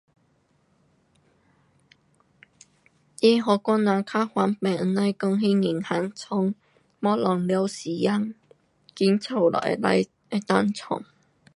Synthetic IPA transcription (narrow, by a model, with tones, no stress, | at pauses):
ji˧ɦɔ˨˧kʷɔ˥nːa˨˧˥kʰa˥xwa˨˥npɛ˨˩ŋ˨˧na˧˥jkʊ˧ŋɦi˥ŋi˨˩ŋha˨˥ŋt͡sʰʊ˧˥ŋ | mɔː˦˥lɔ˨˩ŋli˧˥wsiː˨˩ja˧˥ŋ | ki˨˦˥nt͡sʰa˨˩wlɔ̰˨˩la̰˧˥j | ɛ˧˥t̪a˧nt͡sʰʊ̰˨˩ŋ